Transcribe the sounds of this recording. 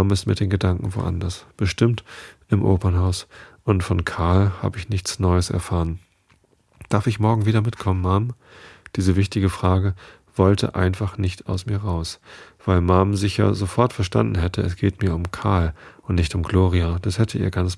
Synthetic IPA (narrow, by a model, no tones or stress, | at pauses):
amɪstmɪɐd̥eːnɡədaŋkŋ̩vo̰ːʔa̰ndɐsb̥əʃtɪmtʔɪmʔo̰ːpɐnɦaʊsʔʊntfɔnkʰaɐlha̰ːbəɪçnɪçt͡snɔʏəsɛ̰ɐfaːʁən | d̥aɐfɪçmɔɐɡŋ̩viːdɐmɪtkʰɔmənmaːm | d̥iːzəvɪçtɪɡəfʁ̥aːɡə | v̥ɔltʰə̰ʔa̰ɪnfaχnɪçta̰ʊsmiːɐʁaʊsv̥aɪlmamzɪçja̰zofɔɐtfɛɐʃta̰ndn̩ɦɛtəɛsɡ̥eːtmiːɐʊmkʰaɐlʔʊntnɪçtʊmɡloːʁiad̥ashɛtʰəʔḭːɐɡant͡s